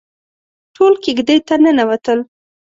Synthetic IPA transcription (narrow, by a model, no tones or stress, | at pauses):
ʈʰolkeɡd̪ejt̪anənawat̪əl